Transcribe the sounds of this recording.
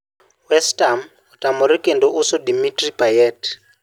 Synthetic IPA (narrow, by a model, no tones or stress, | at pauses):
wɛstʼam | utʼamuɾikʼɛndɔʔusɔdimitripʼajɛt